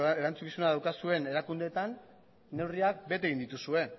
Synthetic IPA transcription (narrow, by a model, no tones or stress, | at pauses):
eɾant͡sukisunaðawkasue̞ne̞ɾakund̪e̞ːt̪anː | e̞wriak̚be̞t̪e̞ɣind̪it̪usue̞